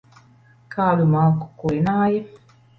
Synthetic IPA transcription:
kʰaːlumaku̥kuinaːje

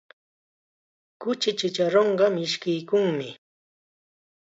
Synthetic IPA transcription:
kʊt͡ʃɪt͡ʃɪt͡ʃaɾoɴɢɑmɪʃkɪjkʊŋmɪ

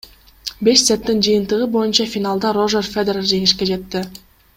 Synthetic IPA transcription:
be̞ʃset̪ːind͡ʒɯjɯnt̪ɯʁɯbo̞junt͡ʃɑfʲinalˠd̪ɑro̞ʒerfʲed̪eɾalˠd͡ʒe̞ŋiʃke̞d͡ʒe̞t̪ːɪ

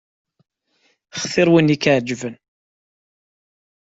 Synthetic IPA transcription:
χθɪɾwinikʕd͡ʒvən

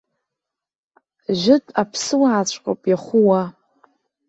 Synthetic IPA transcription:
ʒʷɪtʼapʰsɨwaːt͡ɕʷʰʼqʼopʼjaχʷʊwa

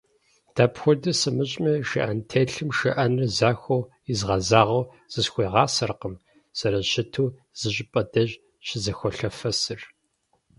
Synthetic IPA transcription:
d̥aːpxʷɔdɐsɨmɨɕʼmɐʃɐ̰ʔɐntʰeːɬɨmʃɐʔɐnrzaːxʷow | izʁɐzaːʁɐw | z̥ɨsxʷeːʁɑːsɐrqəm | sɐɾɐɕɪtʰuː | z̥ɨɕʼɪpʼɐdɐʑ | ɕɪzɐxʷɔɬɐfɐsɨr

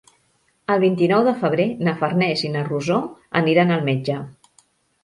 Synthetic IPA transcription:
əlˠβint̪inɔwðəfəβ̞ɾenəfərnɛzinəruzoə̰niɾanəlˠmed͡ʒə

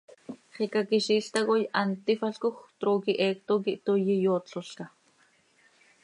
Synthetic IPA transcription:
χikakiʃiɬt̪aɣojant̪ifaɬkoxt̪ɾokiʔeːk̚t̪okiʔt̪ojijot͡ɬoɬka

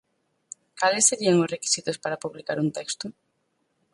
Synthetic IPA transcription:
kalɪsːeɾiaŋosreki̥sit̪ospaɾapuβlikaɾunt̪ɛkst̪ʊ

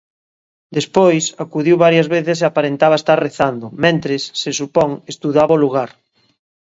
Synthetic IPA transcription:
d̪espojsakuðiwβaɾjazβeθɪs̬eapaɾent̪aβaest̪arreθand̪ʊmẽnt̪ɾesːesupɔŋest̪uðaβaoluɣaɾ

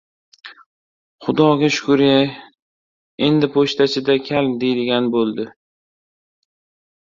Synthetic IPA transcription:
χʊd̪ɒɡʲaʃʊ̥kʰʊɾa | e̞nd̪ɪpʰoʃt̪ʰat͡ʃʰɪd̪akʲʰald̪e̞d̪ɪɡʲanbolˠd̪ɪ

